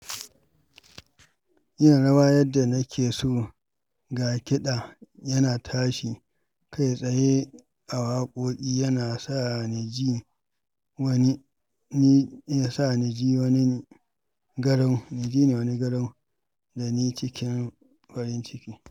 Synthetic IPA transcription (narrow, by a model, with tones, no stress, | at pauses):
jɪ˦˨ɽɐ˦waː˦jɐ˦dːa˨nɐ˦kʲʰeː˨soː˦˨ | ɡa˨kʲɪ˦ɗaː˨jɐ˦naː˨tʰaː˦ʃi˨ | kʰa˦jsʼɐ˨je˦ | ʔa˨waː˦kʷʼoː˦kʲʼiː˦jɐ˦naː˨sa˦˨ni˨d͡ʒi˦ | wɐ˦ni˦ | ni˦a˨sa˦˨ni˨d͡ʒiː˦wɐ˦ni˦˨ | ɡɐ˦ɽɔ˦ŋni˨d͡ʒiː˦neː˨wɐ˦ni˦ɡɐ˦ɽɔ˦ŋ | da˨niː˦t͡ʃɪ˦kʲɪ˦m | ɸɐ˦ɾɪ˦nt͡ʃɪ˦kʲiː˦